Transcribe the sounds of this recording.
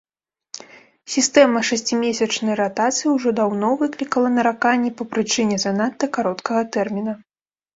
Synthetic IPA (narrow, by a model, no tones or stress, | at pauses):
sʲist̪ɛmɐʂasʲt͡sʲimʲesʲɐt͡ʂnɐjɾat̪at̪sɨjiwʐɔd̪awnɔvɨklʲikɐlˠɐnɐɾakanʲːɛpɐpɾɨt͡ʂɨnʲɛzɐnat̪ːɐkaɾɔt̪kɐɣɐt̪ɛrmʲinɐ